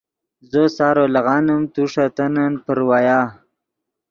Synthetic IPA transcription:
zosɑːɾolaɣɑːnəmt̪uʂat̪anənpəɾwajɑː

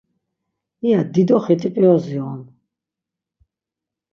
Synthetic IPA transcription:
iad̪id̪ɔχit̪ʼipʼiɔziɔn

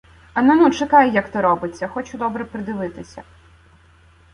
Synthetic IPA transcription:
ɐnɐnut͡ʃɪkɑjɪjɐkt̪ɔɾɔbɪt͡sʲːɐxɔt͡ʃʊd̪ɔbɾɛpɾɪd̪ɪʋɪt̪ɪsʲɐ̰

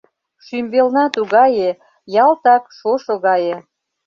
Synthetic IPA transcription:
ʃymbelnɑt̪uɣɑje | jɑlt̪ɑkʃoʃoɣɑje

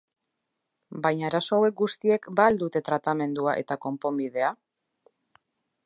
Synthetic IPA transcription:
bajɲaːɾaso̞awe̞k̚ɡust̪ie̞kbald̪ut̪e̞t̪ɾat̪ame̞nd̪uaʔe̞̰t̪ako̞mpo̞mbið̞e̞a

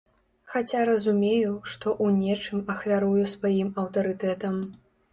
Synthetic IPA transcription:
xat͡sʲaɾɐzumʲejuʂt̪ɔʔunʲɛt͡ʂɨmɐxvʲaɾujusvajimɐwt̪ɐɾɨt̪ɛt̪ɐm

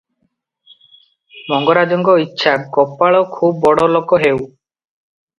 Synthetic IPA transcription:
mɔŋɡɔɾad͡ʒɔŋɡɔitːʃʰakɔpaɭɔkʰub̚ːɔɽɔlokɔɦew

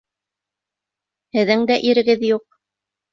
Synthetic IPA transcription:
hɘ̆ðɘŋd̪æʔiɾɘ̆ɡɘðjuq̚

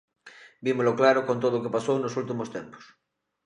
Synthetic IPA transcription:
bimoloklaɾokont̪̬oðookepasownosult̪imost̪ẽmpo̥s

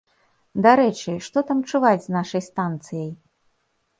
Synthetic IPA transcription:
d̪aɾɛt͡ʂɨʂt̪ɔt̪amt͡ʂuvad͡zʲznaʂɐjst̪ant̪sɨjɐj

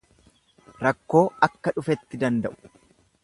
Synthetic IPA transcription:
ɾɐkːo̞ːɐkːɐᶑʊfɛt̪ːɪd̪ɐnd̪ɐʔʊ̥

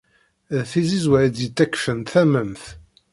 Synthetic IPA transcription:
ðθizizwæɾd̪jət̪ːækfənt̪θæməmθ

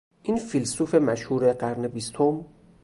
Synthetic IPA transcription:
ʔinfilsufe̞mæʃhuːɾeɢæɾnebist̪ʰom

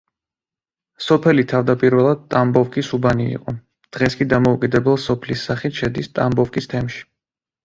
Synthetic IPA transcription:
sɔpʰɛlit̪ʰavd̪apʼiɾvɛlˠad̪̚t̪ʼambɔfkʼisubanḭːqʼɔ | d̪̥ʁɛskʼid̪amɔukʼid̪ɛbɛlˠsɔpʰlisːaχit̪ʃɛd̪ist̪ʼambɔfkʼist̪ʰɛmʃi̥

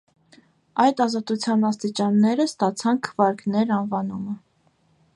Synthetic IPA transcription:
ɑjd̪ɑzɑt̪ut͡sʰjɑnɑst̪it͡ʃɑnːɛɾəst̪ɑt͡sʰɑnkʰə̥vɑɾknɛɾɑnvɑnumə

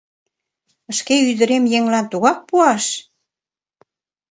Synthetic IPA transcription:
ə̆ʃkeyd̪ə̆ɾemjeŋlɑnt̪uɣɑk̚puɑʃ

